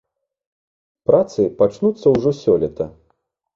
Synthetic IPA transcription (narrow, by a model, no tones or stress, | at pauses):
pɾat̪sɨpat͡ʂnut̪sːɐwʐɔsʲɔlʲɛt̪ɐ